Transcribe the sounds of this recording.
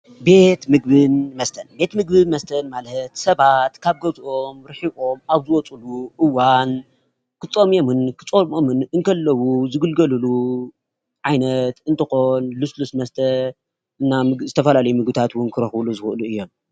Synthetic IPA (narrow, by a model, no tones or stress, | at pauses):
be̞t̪mɨɡ̚bɨnmɐst̪ʰɐnbe̞t̪mɨɡ̚bɨnmɐst̪ʰɐnmalət̪sɐβat̪kʰaβɡɐzʔo̞mɾɨħiβo̞maβzɨwɔt͡sʼuluʔɨwan | kʰɨt͡sʼomjomɨnkʰɨ̥t͡sʼomomɨnɨŋkʰɐlːɐwuzɨɡɨlɡɐlɨlu | ʕajnɐt̪ɨnt̪ʰɐxo̞nluslusmɐst̪ʰɐ | ɨnːamɨzɨt̪ʰɐfɐlalɐjumɨɡbɨt̪ʰat̪wʊnkʰɨɾɐxluzɨxʔɨluɨjːo̞m